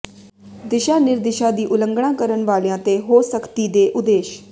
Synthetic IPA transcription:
d̪ɪʃaːnɪɾd̪ɪʃãːd̪iːʔʊləŋɡɳãːkəɾəɳʋaːlãːt̪eːɦoːsəkt̪iːd̪eːʔʊd̪eːʃ

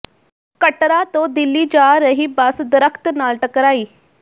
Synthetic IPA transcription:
kəʈɾaːt̪õːd̪ɪlːiːd͡ʒaːɾəɦiːbəsd̪əɾəkʰt̪naːlʈəkɾaːiː

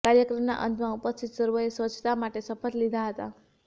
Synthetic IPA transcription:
kaɾjəkɾəmna̰ʔə̰nt̪maupəst̪ʰit̪səɾʋəesʋət͡ʃt̪amaʈesəpət̪lid̪ʱaɦət̪a̰

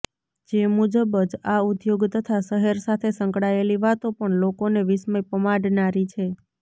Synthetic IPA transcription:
d͡ʒemud͡ʒəbəd͡ʒaud̪joɡt̪ət̪ʰaʃəɦəɾsat̪ʰesəŋkɽaeliʋat̪opəɳlokoneʋisməjpəmaɽnaɾit͡ʃʰe

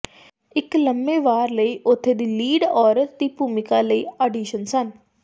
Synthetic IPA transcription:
ɪkləmbeːʋaːɾləiːʔʊt̪ʰːeːd̪iːliːɖɔːɾət̪̚d̪iːpuːmɪkaːləiːəɖiːʃənsən

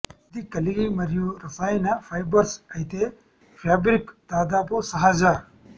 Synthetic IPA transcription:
d̪ikɐliɡimɐɾjuɾɐsaːinɐfaːjbɐɾskɐjt̪e | faːbɾikt̪aːd̪aːposɐɦaːd͡ʒaː

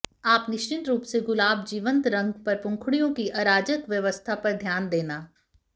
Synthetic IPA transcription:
aːpnɪʃt͡ʃɪnt̪ɾuːpseɡʊlaːbd͡ʒiːʋə̃nt̪ɾɐ̃ŋɡpɐɾpʊ̃ŋkʰɽijõkiʔɐɾaːd͡ʒəkʋjɐʋəst̪ʰapɐɾd̪ʱjaːnd̪eːnaː

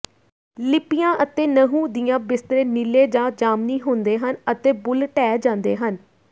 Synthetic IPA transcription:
lɪpɪjãːʔət̪eːnəɦũːd̪ɪjãːbɪst̪ɾeːnɪleːd͡ʒãːd͡ʒaːmniːɦʊnd̪eːɦənət̪eːbʊlʈɛːd͡ʒãːnd̪eːɦən

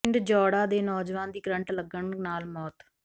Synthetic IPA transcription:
ɳɖd͡ʒɔːɽaːd̪eːnɔːd͡ʒʋãːnd̪iːɡɾə̃ɳʈləɡəɳnaːlmɔːt̪

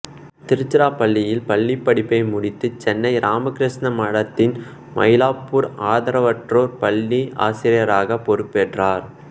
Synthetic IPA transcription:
t̪ɪɾɯt͡ʃːɪɾaːpɐɭːɪjɪlpɐɭːipːɐɽɪpːɐɪmʊɽɪt̪ːɯt͡ʃɛnːɐɪɾʔaːmɐkɪɾɪʂnɐmɐɽɐt̪ːɪn | mɐ̰jlaːpːuːɾaːðɐɾɐʋɐʈroːɾpɐɭːia̰ːsɪɾɪjɐɾaːɣɐpːɔɾɯpːɛʈraːɾ

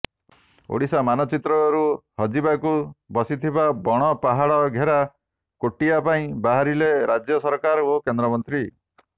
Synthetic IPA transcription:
o̰ɽisamanɔt͡ʃit̪ɾɔɾuhɔd͡ʒibakubɔsit̪ʰibabɔɽ̃ɔpaɦaɭɔɡʱeɾa | koʈiapaĩbaɦaɾileɾad͡ʒjɔsɔɾkaɾokend̪ɾɔmɔnt̪ɾi

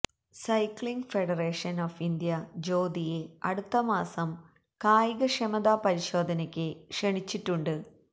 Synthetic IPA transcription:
sɐjkɭiŋɡfe̞ɽɐreːʂɐnoːfind̪jɐd͡ʑo̞ːd̪ijeɐɽut̪ːɐmaːsɐm | kaːjiɣɐʂɐmɐd̪aːpɐɾiɕo̞ːd̪ʱɐnɐkʲːɨkʂeɳit͡ɕːiʈːuɳɖɨ

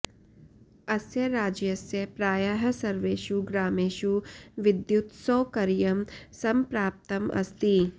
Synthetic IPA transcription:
ɐsjɐɾaːd͡ʒjɐsjɐpɾaːjɐɦɐ̆sɐɾʋeːʃuɡɾaːmeːʃuʋɪd̪jut̪soːkɐɾjɐmsɐmpɾaːp̚t̪ɐmʔɐ̰st̪i

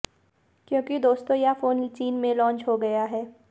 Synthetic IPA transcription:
kjõːkid̪oːst̪õjafoːnt͡ʃiːnmẽlɔ̃ːɲt͡ʃɦoɡɐjaɦɛː

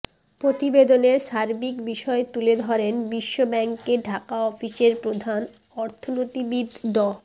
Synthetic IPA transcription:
pɾot̪ibed̪oneɾʃaɾbikbiʃɔet̪uled̪ʱɔɾenbiʃːobɛŋkeɖʱakaɔfiseɾpɾod̪ʱan | ɔɾt̪ʰonot̪ibid̪ʱɖɔ

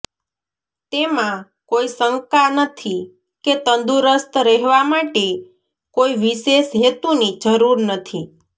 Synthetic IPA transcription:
t̪emã | koisəŋkanət̪ʰi | ket̪ənd̪uɾəst̪ɾɛɦʋamaʈe | koiʋiʃeʃɦet̪unid͡ʒəɾuɾnət̪ʰi

